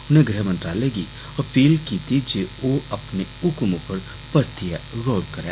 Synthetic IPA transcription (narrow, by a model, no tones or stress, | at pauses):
ʊnẽɡɾɛɦmə̃nʈ̪ɾaːleɡi | ɐpiːlkiːt̪id͡ʒeoɐpneʊkmõpɐɾ | pɐɾt̪ɪjaɾɔːlkɐɾḛ̃ː